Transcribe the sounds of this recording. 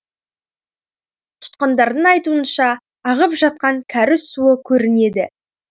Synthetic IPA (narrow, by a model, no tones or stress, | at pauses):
t̪ʰʊ̥t̪̚qɑnd̪ɑɾd̪əɴɑjt̪uənʃɑː | ʁəpʒɑt̪̚qɑŋkʲʰæɾɪssuəkʲʰɵɾɪne̞d̪ɪ